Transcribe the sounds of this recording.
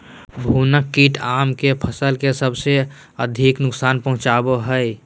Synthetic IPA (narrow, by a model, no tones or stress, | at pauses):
bʱuːnəkːiːʈʰaːmkepʰəsəlkesəbse | əd̪ʱiknʊksaːnpəɦʊ̃t͡ʃaːboɦəe